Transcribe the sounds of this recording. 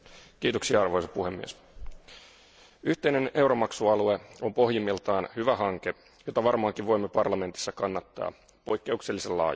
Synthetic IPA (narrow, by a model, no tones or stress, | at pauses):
k̟iːt̪oksiɑɑrʋo̞jsɑ̥puhe̞mːḭes | yht̪e̞ine̞ne̞wɾo̞mɑksuɑlue̞o̞mpo̞ɦjimːilt̪ɑːnhyʋæɦɑŋke̞ | jo̞t̪ɑʋɑrmɑɑːŋkiʋʋo̞jmːepɑrlɑme̞nt̪isːɑkɑnːɑt̪ːɑ̰ː | po̞jkːe̞ukse̞lːisellɑ̰ːjɑ